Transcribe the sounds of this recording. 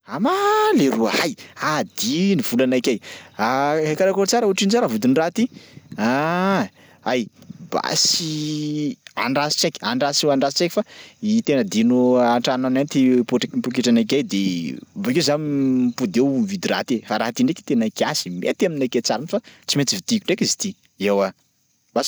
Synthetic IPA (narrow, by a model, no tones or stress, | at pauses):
amaleɾuahajad̪iniv̥ulanakʲajaɦakaɾakoɾt͡saɾuaʈ͡ʂinzaɾavud̪inrat̪ia | a̰jba̰si | a̰ɳɖ͡ʐasi̥t͡ʃekʲi̥aɳɖ͡ʐasewaɳɖ͡ʐasi̥t͡ʃeki̥fait̪enəd̪inuaɳʈ͡ʂananant̪ipuʈ͡ʂkimpukeʈ͡ʂanak̬ʲajd̪evakezanimpud̪ewmvid̪iɾa̰t̪efaɾaɦat̪iɳɖ͡ʐeki̥t̪enaikʲasimḛt̪aminaket͡saɾanfat͡simet͡s̪ivit̪ikʲuɳɖ͡ʐekʲizi̥t̪i | ewa | b̥a